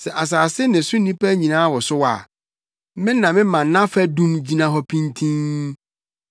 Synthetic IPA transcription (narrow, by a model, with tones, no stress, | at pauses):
sɛ˨ʔa˨s̬aː˨sɪ˦nɪ̃˨sʊ˦nĩ˦pʰæ˦ɲĩ˨nãː˦wɔ˨sʊ˦wa̰˨ | mɪ̃˦nã˨mɪ̃˦mã˨n˨˦nã˦fæ˦dũ˦nd͡ʑi˦nã˦ɦɔ˦pʰĩ˦ntʰĩ˦n